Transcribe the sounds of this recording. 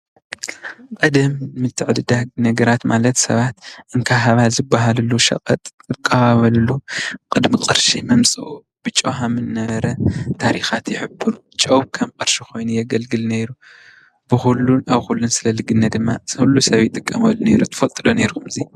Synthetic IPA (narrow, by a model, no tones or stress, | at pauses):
qʼɐd̪ɐmːɨt̪ʰːɨʕd̪ɨd̪anɐɡɐɾat̪malɐt̪sɐ̰βat̪ʔɨŋkʰaɦaβazɨbːaɦalɨlːuʃɐ̰kʼɐt̪ʼɨkʼːɐβaβɐlɨlːukʼɨd̪mikʼɨɾʃimɐmsʼɨʔu | b̥ɨt͡ʃʼːoɦamɨnnɐβɐɾɐt̪ʰaɾixat̪jɪħɨbɨɾ | t͡ʃʼɐwkʰɐmqʼɨɾʃixo̞jnujɛɡɐlɡɨlneɾu | b̥ɨxulːunaβxulːunsɨlɐlɨɡɨnːɐd̪ɨmːasɨhulːusɐβit̪ʼɨkʼːɐmɐlneɾut̪ʰɨ̥fɐt̪ʼɨd̪oneɾkʰumɨzi